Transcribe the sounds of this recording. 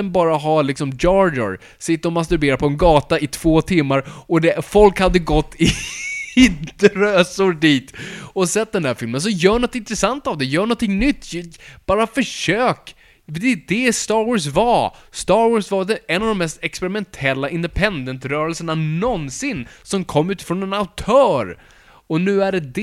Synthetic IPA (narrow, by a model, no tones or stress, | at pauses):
ɛnbɑːɾaɦɑlɪksɔmd͡ʒɑːɖʊ̰ɾ | sɪt̪ːəɾɔmas̬t̪ʉɾbeːɾaɾpʰɔɛnɡɑːt̪aɪt̪ʰv̥oːt̪ʰɪmːaɾɔd̪ɛfɔlkhad̪ːəɡɔt̪ːɪ | ɪt̪əɾøːsʊɾɖiːt̪ɔsɛt̪̚ːd̪ɛnd̪æːɾfɪlməns̬ɔjœːɳɔt̪ːɪnt̪ɾɛsant̪avd̪ɛjœːɳɔnt̪ʰɪŋnʏt̪ːjb̥ɑːɾafœʂøːk | d̪ɛd̪ɛst̪ɑːɾwɔːs̬vast̪ɑɾwɔːsvad̪ɛɛnːavd̪ɔmɛst̪ɛkspɛɾɪmɛnt̪ʰɛlːaʔɪnd̪ɛpʰɛnd̪ənt̪ɾœːɾɛlsəɳanɔnsɪnːsɔmkʰɔmːʉ̟ːt̪ɪ̥fɾɔnɛnaʊt̪ʰœːɾ | ɔnʉ̟ːæɖɛd̪